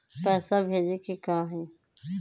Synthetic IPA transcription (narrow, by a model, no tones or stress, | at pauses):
pɛːsabʱeːd̪ikikãːɦĩ